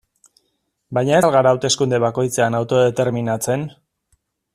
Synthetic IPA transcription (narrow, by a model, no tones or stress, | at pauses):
bajɲaelɣaɾaːwt̪e̞skund̪e̞βako̞jt͡seanawt̪o̞ðe̞t̪e̞ɾminat͡se̞n